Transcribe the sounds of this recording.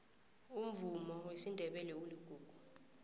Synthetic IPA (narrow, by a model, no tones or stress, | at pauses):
um̩vumɔwesindʱɛɓɛlɛwuliɡ̥ʱuːɡ̥ʱu